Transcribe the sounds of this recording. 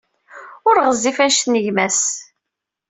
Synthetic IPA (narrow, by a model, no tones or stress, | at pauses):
ʊɾʁəzːifænʃnəʝmæs